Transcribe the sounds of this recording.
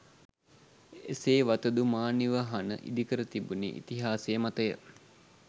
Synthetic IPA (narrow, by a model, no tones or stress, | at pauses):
ḛseːʋat̪əd̪umaːniʋaɦɐnə̰ʔḭd̪ikəɾət̪ibunḛʔḭt̪iɦaːsejəmat̪əjə